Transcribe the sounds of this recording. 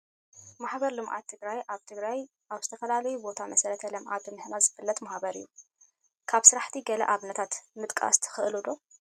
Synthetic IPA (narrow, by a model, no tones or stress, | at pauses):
maħbɐɾlɨmʔa̰t̪ʰːɨɡɾajʔaβt̪ʰɨɡɾaj | ʔaβzɨt̪ʰɐfɐlalɐjubo̞t̪ʰamɐsɐɾɐt̪ʰɐlɐmʔa̰d̪ɨmɨhnazɨfɨlːɐt̪mahbɐɾḭjːu | kʰaβsɨɾaħt̪ʰiɡɐlɐ̰ʔaβnɐt̪ʰat̪mɨt̪ʼkʼa̰st̪ʰɨ̥xɨʔɨlud̪o̞